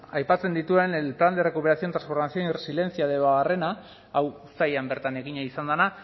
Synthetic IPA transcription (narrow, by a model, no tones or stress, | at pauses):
ajpat͡se̞nd̪it̪ue̞nelpɾand̪ere̞kupe̞ɾasio̞nt̪ɾansfo̞ɾmasioniresile̞nsiaðeβaɣare̞na | aw | sajambe̞ɾt̪ane̞ɣiɲaisand̪ana